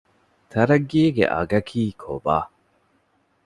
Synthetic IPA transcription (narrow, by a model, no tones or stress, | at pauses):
t̪ʰɐɾɐɡiːɡḛʔɐ̰ɡɐkʰiːkʰo̰baː